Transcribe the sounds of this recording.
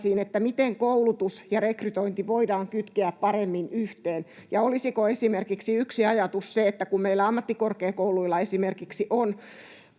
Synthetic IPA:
siːnet̪ːæmit̪eŋkoulut̪usjɑrekryt̪oint̪iʋoidɑːŋkyt̪keæppɑremːinyht̪eːn | jɑolisikoesimerkiksiyksiɑjɑt̪usseet̪ːækummeilːˑæɑmːɑt̪ːikorkeːkouluilːɑesimerkiksiʔon

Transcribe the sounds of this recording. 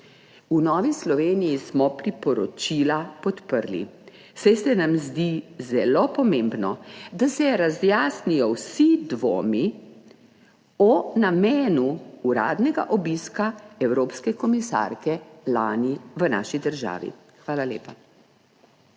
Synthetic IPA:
unɔːʋislɔʋeːnijismɔpɾipɔɾɔt͡ʃilapɔt̪pəɾlḭ | sajsɛnamzd̪izɛlopɔmeːmbnɔd̪asɛɾazjaːsnijɔwsid̪ʋo̰ːmi | ɔnameːnuuɾa̰ːd̪nɛɡa̰ʔɔbiskaɛwɾoːpskɛkɔmisa̰ɾkɛlaːniʋəna̰ːʃid̪əɾʒa̰ːʋḭ | xʋaːlalḛːpa

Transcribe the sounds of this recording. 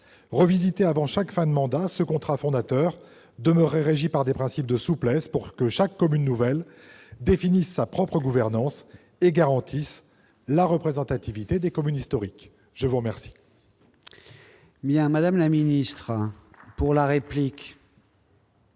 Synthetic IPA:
ʁəvizit̪eavɑ̃ʃakfɛ̃d̪əmɑ̃d̪asəkɔ̃t̪χafɔ̃d̪at̪œːʁ | d̪əməʁːɛʁeʒipaʁd̪epχɛ̃sip̚d̪əsuplɛspuʁkəʃakːɔmynːuvɛl | d̪efinisːapχɔpχəɡuvɛʁnɑ̃s | eɡaʁɑ̃t̪ʰis | laʁəpχezɑ̃t̪at̪ivit̪ed̪ekɔmynist̪ɔʁik | ʒ̥əvuʁəmɛʁsi̥ | bjɛ̃mad̪amlaminist̪χ | puʁlaʁeplik

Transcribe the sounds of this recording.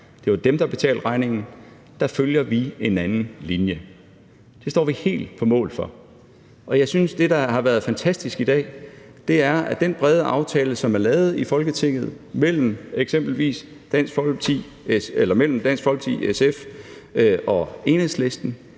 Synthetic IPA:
d̥e̝ʋɑ̈d̥emd̥ɑ̈b̥e̝t͡sʰɛ̰ːld̥ʁɑ̈ɪne̝ŋn̩ | d̥ɑ̈føljɐʋie̝nænn̩linjə | d̥e̝sd̥ɒ̰ːʋihe̝̰ːld̥pʰɒ̽mɔ̰̽ːlfɒ̽ | ɒ̽jɑ̈ɪsynsd̥e̝d̥ɑ̈ɦɑ̈ʋæɐð̞̩ˠfænt͡sʰæsd̥isɡ̥id̥ɛ̰ːd̥e̝æɐʔæd̥enb̥ʁɛð̞ˠəʔɑ̈ʊt͡sʰɛːləsɒ̽mæɐlɛːʊð̞̩ˠifɒ̽lɡ̥ət͡sʰe̝ŋ̰ð̞̩ˠ | mel̰m̩eɡ̥sem̰b̥l̩ʋḭːs | d̥æn̰sɡ̥fɒt͡sʰi | elɐmel̰m̩d̥ænsɡ̥fɒ̽lɡ̥t͡sʰḭesef | ʔɒ̽e̝nhesle̝sd̥n̩

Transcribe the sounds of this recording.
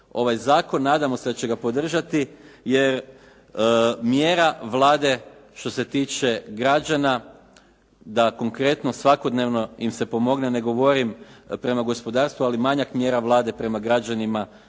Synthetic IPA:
o̞ʋajzaːko̞nːaːd̪amo̞sed̪at͡ɕeɡapo̞d̪r̩ʒat̪ije̞ɾ | mjeːɾaʋlˠaːd̪e̞ʃt̪o̞se̞t̪iːt͡ʃe̞ɡɾad͡ʒana | d̪ako̞ŋkɾe̞t̪no̞sʋako̞d̪neʋno̞jimse̞po̞mo̞ɡnene̞ɡo̞ʋo̞ɾimpɾe̞maɡo̞spo̞d̪aːɾst̪ʋualimaɲakmje̞ːɾaʋlˠaːd̪e̞pɾe̞maɡɾad͡ʒanima

